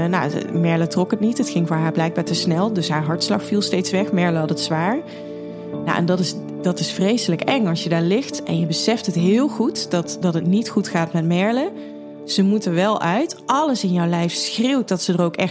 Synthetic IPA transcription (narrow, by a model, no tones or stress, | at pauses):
nawmɛɹlətrɔkɦətnitɦətxɪŋvʊːɹɦaːɹblɛjɡ̚baːɹtəsnɛlˠdɵsɦaːɹɦɑɹtslɑxfilˠstejtsʋɛxmɛɹləɦɑtətsʋaːɹ | ja̰ʔɛ̰ndɑtɪs | dɑtɪsfrejsələkɛŋɑlˠsjədaːɹlɪxtʔɛnjəbəsɛftɦətɦɪːlˠχutdɑtdɑtɦətnitχutxaːtmɛtmɛɹlə | z̥əmutəɹʋɛlˠʔœɥtʔɑləsɪnjɔwlɛjfsxrɪwt̚dɑtsədərowkɛx